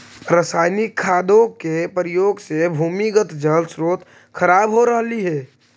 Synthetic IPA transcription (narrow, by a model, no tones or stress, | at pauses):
ɾəsaːɪnikʰːaːd̪õkepɾɪjoːɡsebʱuːmiɡət̪d͡ʒəlsɾoːt̪ | kʰəɾaːbɦoɾəɦliɦɛː